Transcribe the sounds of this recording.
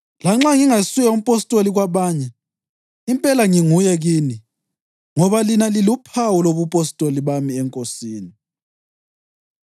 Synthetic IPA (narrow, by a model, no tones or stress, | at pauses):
laŋ͡ǁaŋiŋasujaum̩pʼostʼoliɣwaβaːɲɛ | impʼɛlaŋiŋujɛɣiːni | ŋɔβalinalilupʰawuloβupʼostʼoliβamiɛŋkʼosiːni